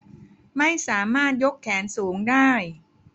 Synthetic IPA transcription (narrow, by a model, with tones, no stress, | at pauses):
ma˥˩jsaː˩˦maː˥˩t̪̚jo˦˥kʰːɛː˩˦nsuː˩˦ŋdaː˥˩j